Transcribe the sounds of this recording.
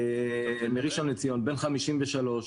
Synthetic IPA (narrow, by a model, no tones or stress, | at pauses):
miʁiʃonːet͡sijo̞nbe̞nχamiʃimveʃalo̞ʃ